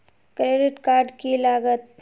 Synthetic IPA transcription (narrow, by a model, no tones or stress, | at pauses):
kɾeːɖɪʈkaːɾɖkilaːɡət̪̚